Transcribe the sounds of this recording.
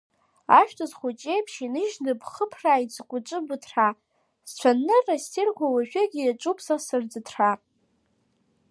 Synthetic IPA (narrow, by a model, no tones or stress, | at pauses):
aʃᶣtʰazχut͡ʃʼejpʰʃinɨʒnɨbʰχəpʰraid͡zʼkʷʼʊt͡ʃʷʼɨbɨtʰra | st͡ɕʷʰanːɨrastʰirɡʷawaʒᶣɪɡʲiat͡ʃʼupʰsasɨrd͡zɨtʰra